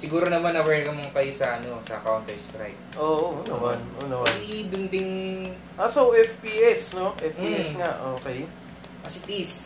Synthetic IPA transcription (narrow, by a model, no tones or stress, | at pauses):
sɪɡuːɾonɐmanːɐwɛɹkɐmoŋkɐjosɐɐnosɐkawnt̪ɛɹst̪ɾa̰jp̚ʔoːʔoːnɐmanʔoːnɐmad̪ʊnt̪ɪŋ | ʔasowɛfpiːʔɛsno̞ʔɛfpiːɛsŋaʔoːkɛj | ʔɐsɪt̪is